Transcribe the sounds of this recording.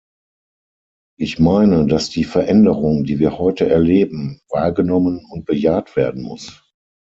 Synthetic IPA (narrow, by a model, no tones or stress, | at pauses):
ʔɪçmaɪnədasd̥iːfɛɐʔɛndəʁʊŋdiːviːɐhɔʏtəʔɛɐleːbm̩vaːɐɡənɔmənʊnt̚b̥əjaːtv̥eːɐdn̩mʊ̰s